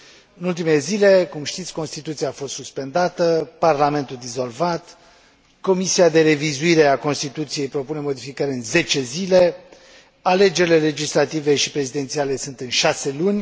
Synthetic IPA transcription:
ɨnult̪̬imelezile̞kumʃt̪it̪sʲko̞nst̪it̪ut̪siaːfo̞st̪suspe̞nd̪at̪əparlame̞nt̪uld̪izo̞lvat̪ | ko̞misiad̪e̞ɾe̞vizuiɾe̞ako̞nst̪it̪ut̪sije̞jpɾo̞pune̞mo̞d̪ifikaɾeɨnze̞t͡ʃe̞zile̞ | ale̞d͡ʒeɾile̞le̞d͡ʒislat̪ive̞ʃipɾe̞zid̪e̞nt̪siale̞sunt̪ɨnʃase̞lunʲ

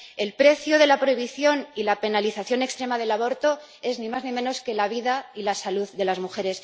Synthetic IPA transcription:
e̞lpɾe̞θjo̞ð̞elapɾo̞iβ̞iθjo̞nilape̞naliθaθjo̞ne̞kst̪ɾe̞maðe̞laβ̞o̞ɾt̪o̞ | e̞znĩmaznĩmẽ̞no̞ske̞laβ̞iðailasaluððe̞lazmuxe̞ɾe̞s

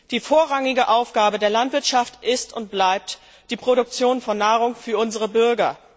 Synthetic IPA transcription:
d̥iːfoːɐʁaŋɪɡəʔaʊfɡ̥aːbədeːɐlantv̥ɪɐtʃaftʔɪstʊnt̚b̥laɪp̚t | d̥iːpʁ̥oɾʊk̚t͡sjoːnfɔnːaːʁʊŋfyːɐʊnzəʁəbʏɐɡɐ

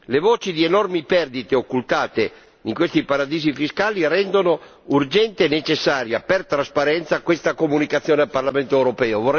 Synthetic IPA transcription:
levoːt͡ʃid̪ienɔrmipɛrd̪it̪eokːult̪aːt̪e | iŋkwest̪ipaɾad̪iːzifiskaːlirɛnd̪ono | urd͡ʒɛnt̪enet͡ʃesːaːɾjapert̪ɾaspaɾɛnt̪sakwest̪akomunikat̪sːjoːnealparlament̪oɛwɾopɛːovor

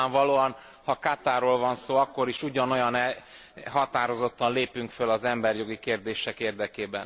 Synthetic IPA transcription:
aɱvɒloːɒn | hɒkat̪aːɾoːlvɒnsoːɒkːo̞ɾiʃuɟɒno̞jɒnɛ | ɦɒt̪aːɾo̞zo̞t̪ːɒnleːpyŋkfølɒzɛmbɛrjo̞ɡikeːrd̪eːʃɛkeːrd̪ɛkeːbɛ̰n

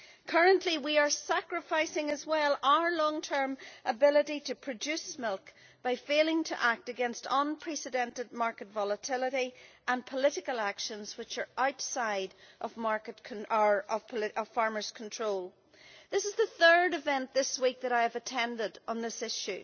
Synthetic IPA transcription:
kʰɜ˞ə̃nʔliwiə˞sakɹɨfaɪsɪ̃ŋəzwɛlˠaʊə˞lɔ̃ŋtʰɜ̃˞mʔəbɪlˠəɾiɾɨpʰɹ̥ɨd͡ʒʉsmɪlˠk | b̥aɪfeɪlˠɪ̃ŋtʰə̰ʔak̚tɨɡɛ̃nstʌ̃npʰɹ̥ɛsɨdɛ̃ntɨd̚maɹkɨtvɔlˠətʰɪlˠəɾiʔə̃npʰəlɪɾɪkəlˠakʃə̃nz̥wɨt͡ʃə˞ʔaʊtsaɪɾʔʌvmaɹkɨtkʰəʌv̥pʰɪʔʌv̥fɑɹmə˞z̥kʰn̩tʰɹ̥oːlˠ | ðɪsɨzðəθɜ˞dɨvɛ̃nðɪswik̚ðɨɾaɪəvətʰɛ̃ndɪdn̩ðɪsɪʃʉ

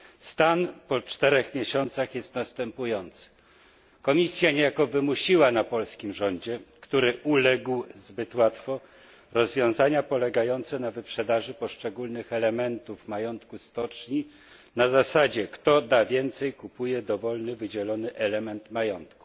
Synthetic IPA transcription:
st̪anpɔt͡ʂt̪ɛɾɛxmʲjeɕɔnt̪saxjɛst̪nast̪ɛmpujɔnt̪sɘ̥ | kɔmʲisʲjaɲejakɔvɘmuɕiwanapɔlskʲimʐɔɲd͡ʑɛkt̪uɾɘʔulɛɡwzbɘt̪wat̪fɔ | ɾɔzvʲjɔ̃w̃zaɲapɔlɛɡajɔnt̪sɛnavɘpʂɛd̪aʐɘpɔʂt͡ʂɛɡulnɘxɛlɛmɛnt̪uvmajɔnt̪kust̪ɔt͡ʂɲi | nazasad͡ʑɛkt̪ɔd̪avʲjɛnt̪sɛjkupujɛd̪ɔvɔlnɘvɘd͡ʑɛlɔnɘʔɛlɛmɛnt̪majɔnt̪ku̥

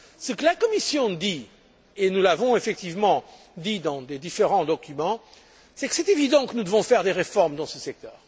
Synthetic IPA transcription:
səkəlakɔmisjɔ̃d̪i | enulavɔ̃efɛk̚t̪ivmɑ̃ | d̪id̪ɑ̃d̪ed̪ifeʁɑ̃d̪ɔkʲymɑ̃ | sɛkə̥sɛt̪evid̪ɑ̃kənud̪əvɔ̃fɛʁd̪eʁefɔʁmd̪ɑ̃səsɛk̚t̪œːʁ

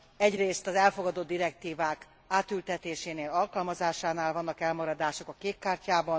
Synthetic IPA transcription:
ɛɟreːst̪ɒzɛlfo̞ɡɒd̪o̞d̪ːiɾɛk̚t̪iːvaːk | aːt̪ylt̪ɛt̪eːʃeːneːlɒlkɒlmɒzaːʃaːnaːlvɒnːɒkɛlmɒɾɒd̪aːʃo̞kɒkeːkːaːrcaːbɒn

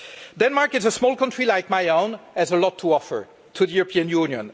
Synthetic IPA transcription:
dɛ̃nmaɹkɨzəsmɔlˠkʰʌ̃ntɹ̥ilaɪk̚maɪõʊ̃nɨzəlɔtʰːuɔfə̰˞ | tʰuðəjuɹəpʰĩə̃njunjə̰̃n

